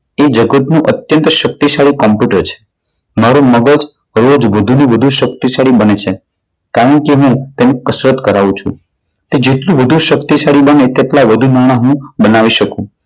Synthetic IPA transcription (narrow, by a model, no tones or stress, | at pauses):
ed͡ʒəɡət̪nũʔət̪jənt̪ʃək̚t̪isaɭikɔmpjuʈəɾt͡ʃʰe̥ | maɾuməɡəd͡ʒ | ɾod͡ʒʋəd̪ʱuniʋəd̪ʱuʃək̚t̪isaɭibənet͡ʃʰe | kaɾə̃ɳkeɦũt̪enekəsɾət̪kəɾaʋũt͡ʃʰṵ̃ | t̪ed͡ʒeʈlũʋəd̪ʱuʃəkt̪iʃaɽibənet̪eʈlaʋəd̪ʱunaɽ̃aɦũbənaʋiʃəkũ